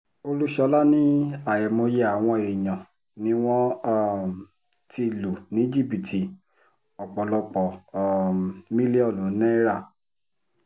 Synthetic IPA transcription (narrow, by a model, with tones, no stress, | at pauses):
o˧lu˦ʃɔ˧˦la˦nĩ˦a˨jɛ˨mo˧je˦a˨w̃ɔ̃˧e˨jã˨ | nĩ˦w̃ɔ̃˦˨ | ti˧˨lu˨nĩ˨˦d͡ʒi˦˨pi˨tʰi˨ | ɔ˨k͡pɔ˨lɔ˧k͡pɔ˨ | mĩ˦li˦ɔ˦˨lũ˨˦nɛ̃˦ɾa˦˨